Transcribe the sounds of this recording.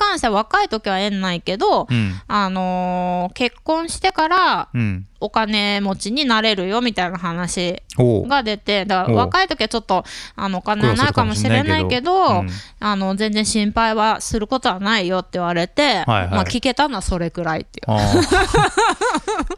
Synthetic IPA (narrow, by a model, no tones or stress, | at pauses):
kãɰ̃ɕit̪eaβ̞akait̪o̞kʲiβaẽ̞nːaike̞d̪o̞ano̞ke̞kːõ̞ɰ̃ɕi̥t̪e̞kaɾa | o̞kane̞mo̞t͡ɕiɲ̟inaɾe̞ɾɯ̟jo̞mʲit̪ainaɦanaɕiɡad̪e̞t̪e̞d̪akaaβakait̪o̞kʲiβat͡ɕo̞t̪ːo̞a̰no̞ːkaneβanaikamo̞ɕiɾe̞naikke̞d̪o̞ano̞zẽnd͡zẽɕĩmpaiβasɨɾɯ̟ko̞t̪o̞βanaijo̞t̪ːeɯ̟βaɾe̞t̪e̞̰jmakʲike̞t̪ano̞βaso̞ɾe̞ɡɯ̟ɾaḭt̪ːej